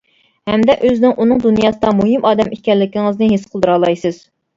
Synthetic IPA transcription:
hɛmd̪ɛʔøznɪŋʔunɨŋd̪unjɑːsɨd̪ɑmuɦimʔɑːd̪ɛmikʲɛlːɪkʲiŋɨznɨɦesqʰəlˠd̪ɨɾɑlˠɑjsɨz̥

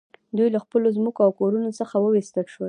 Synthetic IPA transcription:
d̪ujlaxpəlozməkoawkoɾunosəxawəwest̪əlʃwəl

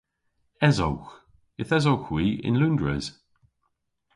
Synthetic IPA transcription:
ɛzɔwx | ɪθɛzowxwiːɪ̰nlʉndɹə̰z̥

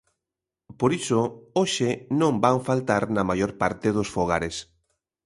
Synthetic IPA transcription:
poɾisooʃɪnõmbaŋfalt̪aɾnɐmajoɾpaɾt̪ɪðosfoɣ̞aɾes

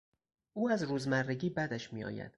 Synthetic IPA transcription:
uːæzruːzmærːeɡiːbæd̪æʃmiːɒ̰ːjæ̰d̪̥

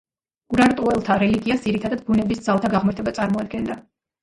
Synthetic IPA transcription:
ɡ̥uɾaɾt̪ʼuɛlˠt̪ʰaɾɛliɡiasd̪ziɾit̪ʰad̪ad̪̚bunɛbisd̪zalˠt̪ʰaɡaʁmaɾt̪ʰɛbat̪sʼaɾmɔad̪̚ɡɛnd̪a

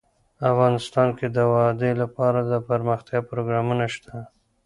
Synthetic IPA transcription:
afɣɑnɪst̪ɑnked̪əwɑd̪elapɑɾad̪əpaɾməxt̪jɑpɾoɡɾɑmunaʃt̪ʰa

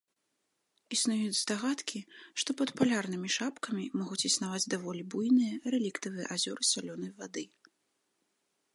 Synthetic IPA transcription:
isnujud͡zʲzd̪aɣat̪kʲʰiʂt̪ɔpɐt̪palʲarnɨmʲiʂapkɐmʲimɔɣut͡sʲisn̪avad͡zʲd̪avɔlʲibujnɨjɐɾɛlʲikt̪ɨvɨjɛ̰ʔazʲɔrɨsʲalʲɔnɨjvad̪ɨ

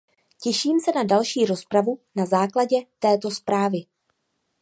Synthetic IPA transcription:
cɛʃiːmsɛnadalʃiːɾo̞spɾavunazaːklaɟɛt̪ɛːt̪o̞spɾaːvɪ

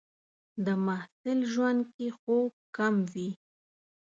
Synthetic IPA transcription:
d̪əmahsɪlʒwand̪̚kexokamwi

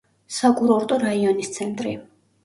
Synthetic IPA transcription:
sakʼuɾɔɾt̪ʼɔɾaiɔnist̪sʰɛnt̪ʼɾḭ

